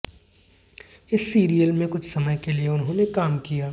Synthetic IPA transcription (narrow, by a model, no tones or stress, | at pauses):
ɪsːiːɾijəlmẽkʊt͡ʃʰsɐməjkelieʊnɦõːnekaːmkijaː